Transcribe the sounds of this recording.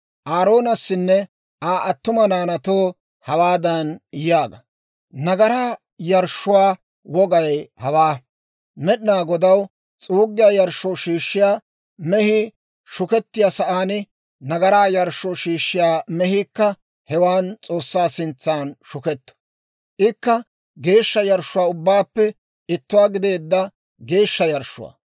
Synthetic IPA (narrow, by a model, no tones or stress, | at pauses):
ʔaːɾo̞ːnɐsːɪnːɛ | aːʔɐt̪ːʊmɐnaːnɐt̪oː | hɐwaːd̪ɐnjaːɡɐ | nɐɡɐɾaː | jɐɾʃːʊwaː | wɔɡɐjhɐwaː | mɛɗɪnaːɡɔd̪ɐw | t͡sʼuːɡːɪjaːjɐɾʃoːʃiːʃːɪjaː | mɛhɪ | ʃʊkɛt̪ːɪjasɐʔaːnɪ | nɐɡɐɾaːjɐɾʃːɔʃiːʃːɪjaːmɛɦiːkːɐ | hɛwaːnt͡sʼo̞ːsːaːsɪnt͡sːaːnʃʊkɛt̪ːɐ̥ | ʔɪkːɐ | ɡe̞ːʃːɐjɐɾʃʊwaːʊbːaːpːɛ | ɪt̪ːʊwaːɡɪd̪e̞ːd̪ːɐ | ɡe̞ːʃːɐjɐɾʃːʊ̰wa̰ː